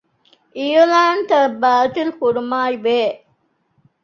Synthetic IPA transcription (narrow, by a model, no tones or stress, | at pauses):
ʔijulaːnt̪ɐbaːt̪ilkuɾumaːiʋeː